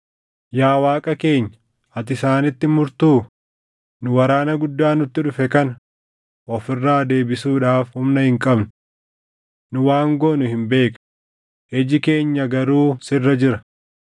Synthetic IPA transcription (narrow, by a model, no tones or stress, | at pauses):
jaːwaːkʼɐke̞ːɲːɐ | ɐt̪ɪsaːnɪt̪ːɪmʊɾt̪uː | nʊwɐɾaːnɐɡʊd̪ːaːnʊt̪ːɪᶑʊfɛkɐnɐ | ʔɔfɪrːaːd̪e̞ːbɪsuːᶑaːfhʊmnɐhɪŋkʼɐbnʊ | nʊwaːŋɡoːnʊhɪmbe̞ːk | hɛd͡ʒɪke̞ːɲːɐɡɐɾuːsɪrːɐd͡ʒɪɾɐ